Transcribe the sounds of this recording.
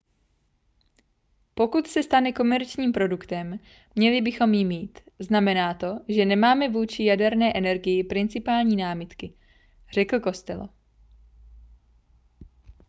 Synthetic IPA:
po̞kut̪sɛst̪anɛko̞mɛɾt͡ʃɲiːmpɾo̞dukt̪ɛmː | ɲɛlɪbɪxo̞mjɪmiːt̪ | znamɛnaːt̪o̞ʒɛnɛmaːmɛvuːt͡ʃɪjadɛɾnɛːʔɛnɛɾɡɪjɪpɾɪnt͡sɪpaːlɲiːnaːmɪt̪kɪ | r̝̥ɛkl̩ko̞st̪ɛ̰lo̰

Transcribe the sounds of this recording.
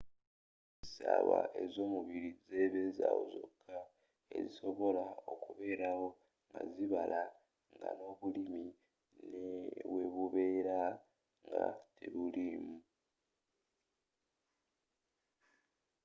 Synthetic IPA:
i̥saβaʔe̞zo̞ːmuβiɾize̞βe̞zawo̰zo̞̰kʰːa | ḛziso̞βo̞lao̞kuβe̞ːɾawo̞ | ŋɡaziβalʔa | ŋɡano̞ːβulimi | neβwe̞βuβe̞ːɾa | ŋɡatʰeβulimu

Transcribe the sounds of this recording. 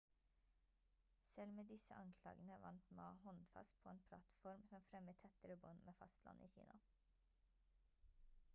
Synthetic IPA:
sɛlmeːd̪ɪsəʔɑŋkʰlɑ̰ːɡən̩əʋɑ̰nt̪mɑ̰ːhɔnfɑ̰st̪̚pʰoːeːnpʰlɑt̪fɔɾmsɔmfɾɛmət̪ʰɛt̪əɾəbʊnmʔeːfɑ̰st̪lɑ̰nʔḭːçḭːnɑ

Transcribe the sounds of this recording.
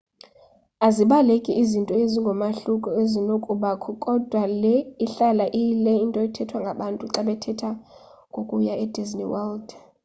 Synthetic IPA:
aziɓalekʼiʔːzintʼɔeziŋɡʱɔmaɬukʼɔezinokʼuɓakʰɔkʼɔd̥ʱwalɛiɬalaʔilɛintʼɔitʰɛtʰwaŋɡʱaɓantʼuǁaɓɛtʰɛtʰa | ŋɡʱokʼujaɛdiznḭwɛld

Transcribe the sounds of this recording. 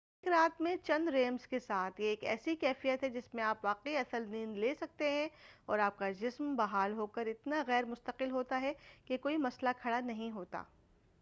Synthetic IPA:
ɪkɾaːt̪mẽt͡ʃɐ̃nd̪ɾeːmzkesaːt̪ʰjeːkɛ̰ːsikɛːfijət̪ɦɛd͡ʒɪsmẽaːpʋaːqeiɐsəlniːnleːsɐk̚t̪eɦɛ̃ɔːɾaːp̚kad͡ʒɪsmbɐɦaːlɦoːkɐɾɪt̪naɣɛːɾmʊst̪əqɪlɦoːt̪aɦɛkekoːimɐslakʰɐɽanɐɦĩɦoːt̪a̰ː

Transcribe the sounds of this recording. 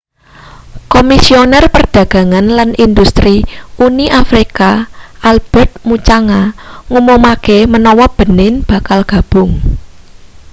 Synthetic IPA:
komisionɛrpərd̪̥ä̤ɡ̥ä̤ŋanlanʔind̪ust̪ɾiuniʔafɾikaʔalb̥ɛ̤rt̪̚mut͡ʃaŋaŋumumakemənɔwɔb̥ə̤nɪnb̥a̤kalɡ̥ä̤b̥ʊŋ

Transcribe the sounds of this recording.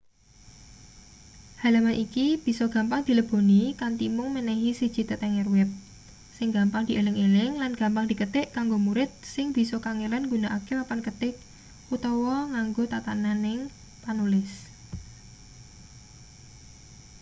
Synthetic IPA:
halamanʔikib̥i̤sɔɡ̥ä̤mpaŋd̪̥i̤ləb̥o̤nikant̪imʊŋmənɛɦisid̥ʒ̥i̤t̪ət̪ɛŋɛrwɛp̚ | sɪŋɡa̤mpaŋd̪̥i̤ʔelɪŋelɪŋlanɡ̥a̤mpaŋd̪̥i̤kət̪ɪʔkaŋɡomuɾɪt̪̚sɪŋb̥i̤sɔkaŋelanŋɡunaʔakewapankət̪ɪk̚ | ut̪ɔwɔŋaŋɡot̪at̪ananɪŋ | panulɪs

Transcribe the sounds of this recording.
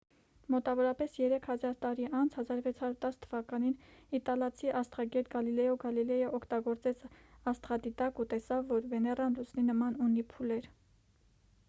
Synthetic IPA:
mɔt̪ɑvɔɾɑpɛsjɛɾɛkʰhɑzɑɾt̪ɑɾiʔɑnt͡sʰhɑzɑɾvɛt͡sʰhɑɾuɾt̪ɑst̪ʰəvɑkɑninit̪ɑlɑt͡sʰiʔɑst̪ʁɑɡɛt̪ɡɑlilɛjɔɡɑlilɛjəʔɔkʰt̪ɑɡɔɾt͡sɛt͡sʰɑst̪ʁɑd̪it̪ɑkut̪ɛsɑvːɔɾvɛnɛrɑnlut͡sʰninəmɑnunipʰulɛɾ

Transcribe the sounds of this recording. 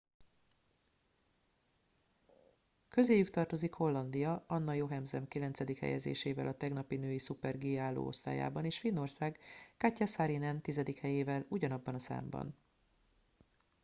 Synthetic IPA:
kø̞zeːjykt̪ɒrt̪o̞zikho̞lːɒnd̪ijɒɒnːɒjo̞ɦɛmzɛmkilɛnt̪sɛd̪ikhɛ̰jɛ̰zḛːʃeːvɛlʔɒt̪ɛɡnɒpinøːjisupɛrɡeːaːlːo̰ːo̞̰st̪a̰ːja̰ːbɒneːʃfinːo̞rsaːɡːacːasaɾinɛnt̪izɛd̪ikhɛjeːvɛluɟɒnɒbːɒnɒsa̰ːmbɒ̰n

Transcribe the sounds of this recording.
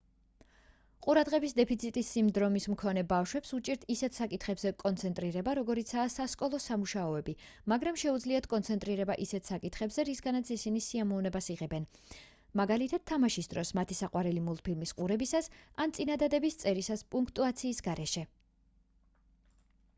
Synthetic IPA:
qʼuɾad̪ʁɛbisd̪ɛpʰit̪sʰit̪ʼisːimd̪ɾɔmismkʰɔnɛbafʃwɛpsut͡ʃʼiɾt̪ʰisɛt̪ʰsakʼit̪ʰχɛbzɛkʼɔnt̪sʰɛnt̪ʼɾiɾɛbaɾɔɡɔɾit̪sʰaːsaskʼɔlˠɔsamuʃaɔɛbi | maɡɾamʃɛud̪zliat̪ʰkʼɔnt̪sʰɛnt̪ʼɾiɾɛbaʔisɛt̪ʰsakʼit̪ʰχɛbzɛɾisɡanat̪sʰisinisiamɔvnɛbasiʁɛbɛn | maɡalit̪ʰat̪̚ʰːamaʃisd̪ɾɔsmat̪ʰisaqʼwaɾɛlimulˠt̪̚pʰilmisqʼuɾɛbisasant̪sʼinad̪ad̪ɛbist̪sʼɛɾisaspʼuŋkʰt̪ʼuat̪sʰiːsɡaɾɛʃɛ

